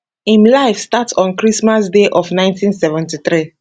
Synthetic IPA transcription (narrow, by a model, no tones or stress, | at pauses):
ĩmlaɪfstatsɔ̃nkɹismasdeʔɔfnãɪ̃ntʰĩnsɛvɛ̃ntiθɹi